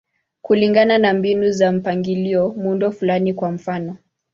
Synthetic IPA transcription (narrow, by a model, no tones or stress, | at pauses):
kuliŋɡananambinuzam̩paŋɡiliɔmundɔfulanikwam̩fanɔ